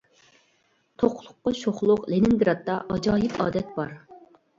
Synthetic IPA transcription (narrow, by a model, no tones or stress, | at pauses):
t̪ʰoqlˠʊqːɑʃoχlˠʊqlenɪnd̪ɨɾɑt̪ːɑʔɑd͡ʒɑːjɪpɑ̰ːd̪ɛt̪̚b̥ɑɾ